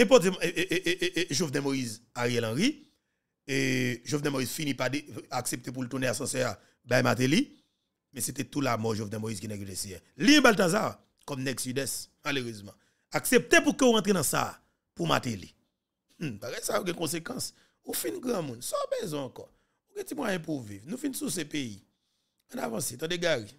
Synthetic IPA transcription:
ɛ̃p̬ɔt̪̬emeʔʔʔʒovnɛ̃moizaʁijɛlãʁi | eʒovnɛ̃moiz̥finĩpadeaksep̚t̪ep̬ult̪uneasɐ̃sɛa | bajma̰t̪̬eli | mɛ̃set̪ɛt̪ulamɔʒovnɛ̃moizkinɛɡidesiɛliɛ̃balt̪azaʁ | kɔmnɛɡsidɛsmaløʁøzmɑ̃ | aksep̚t̪epukøoʁãtʁenɐ̃sa̰ | puma̰t̪eli | paɣɛjsajoɡɛ̃kɔ̃s̬ekãs | ufinɡʁãmũnsɔbɛzɔ̃ɑ̃kɔ | oɡɛ̃timwajɛ̃p̬uvivnũfinsusɛ̃pei | ɐ̃na̰vãset̪ãdeɡaɣi

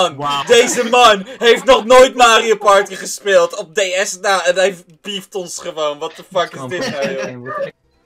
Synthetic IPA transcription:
ndejzəmɑnɦejftnɔχnojtmaːriopɑɹtiχəspeːlˠtɔp̚dejɛsnawɛnɦɛj | b̥iftɔnsχəʋownʋɑtəfɑkɪsdɪtmaɔ

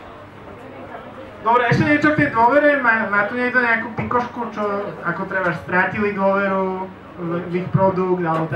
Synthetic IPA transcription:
d̪ɔbɾɛɛʃcɛɲɛt͡ʃɔft̪ɪɛd̪wɔʋɛɾɛmamaːt̪uɲɛɡ̪ɔɲɛakuːpikɔʃkut͡ʃɔakɔt̪ɾɛbaʃst̪ɾacilid̪ʊɔʋɛɾu | ʋixpɾɔd̪ukd̪alɛbɔt̪

